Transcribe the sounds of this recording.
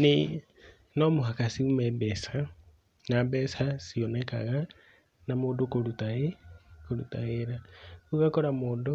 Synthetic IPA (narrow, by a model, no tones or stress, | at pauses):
ne | nɔmoɦakasiumɛbɛsa | nabɛsasiɔnɛka̰ɣa | namoːndokoɾutaɣekoɾutaɣeɾauɣakɔɾamoːndo